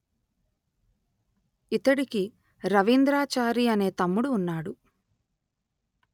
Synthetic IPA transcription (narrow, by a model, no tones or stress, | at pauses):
it̪ɐɽiki | ɾɐʋind̪ɾaːt͡ʃaːɾiɐne̞ːt̪ɐmːuɽuːnːaːɽu